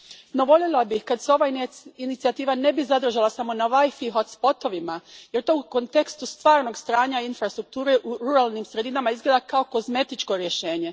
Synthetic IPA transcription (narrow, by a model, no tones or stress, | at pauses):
no̞ʋo̞ʎjelabixkad̪seo̞ʋainit̪siat̪iːʋane̞bizad̪r̩ʒalasamo̞naʋajfiɦot̪spo̞t̪o̞ʋimaje̞ɾt̪o̞ːuko̞nt̪e̞kst̪ust̪ʋaːɾno̞ɡst̪ɾaːɲainfɾast̪ɾuk̚t̪uːɾe̞ʔuɾuɾalˠnimsɾe̞d̪inamaizɡled̪akao̞ko̞zme̞t̪it͡ʃko̞ɾje̞ʃe̞ːɲe̞